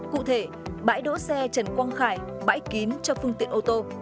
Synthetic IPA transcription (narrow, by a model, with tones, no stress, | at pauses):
kṵ˧˨t̪ʰe˧˩ | ɓa̰ː˧˥jɗo̰˧˥sɛ˧t͡ɕə˨˩nkwɔ˧nxaː˧˩j | ɓa̰ː˧˥jki˨˦nt͡ɕɔ˧fɨ˧əŋt̪ḭ˧˨ənʔo˧t̪o˧